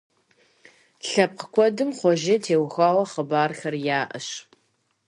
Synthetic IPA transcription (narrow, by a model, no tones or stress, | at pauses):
ɬɐp̚qə̥kʷʰɔdɨmχʷɔʒɐtʰeːwxaːwɐχəbaːrxɐrjaːʔɐɕ